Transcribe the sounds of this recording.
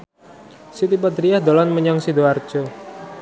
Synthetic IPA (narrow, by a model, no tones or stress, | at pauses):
sit̪ipad̪ɾiahd̪olanməɲaŋsidoard͡ʒo